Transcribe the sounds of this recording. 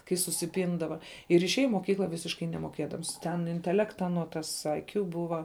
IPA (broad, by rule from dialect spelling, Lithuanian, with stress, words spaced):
kɐɪ sʊsʲɪˈpʲɪndɐʋɐ ɪr ɪʃʲˈeːjɛ ɪ moːˈkʲiːklˠɐ ˈʋʲɪsʲɪʃkɐɪ nʲɛmoːˈkʲeːdɐms ˈtʲɛn ɪnʲtʲɛˈlʲæːktɐ ɐˈnuɔ ˈtɐs ɐɪˈkjʊ ˈbʊʋɐ